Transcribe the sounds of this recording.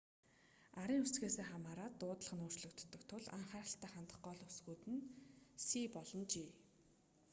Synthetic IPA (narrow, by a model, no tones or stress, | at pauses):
aɾiːŋust͡sɡeːseːχamaːɾaːt̪ːʊːt̪ə̆ɮə̆χə̆nʊːr̥t͡ɕɮɞ̆kt̪ʰːə̆kt̪ʰʊɮa̰ɴχaːɾə̆ɬt̪æːχant̪ə̆χɢɔːɮusɡuːt̪ɘ̆nsiːpɔɮɞ̆nt͡ɕiː